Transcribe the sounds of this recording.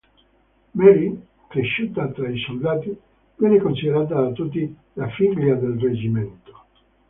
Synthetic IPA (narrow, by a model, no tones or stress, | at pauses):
mɛɾi | kɾeʃːuːt̪at̪ɾaisold̪aːt̪i | vjɛːnekonsid̪eɾaːt̪̬ad̪at̪ːut̪ːi | lafiɡljad̪elred͡ʒiment̪o̥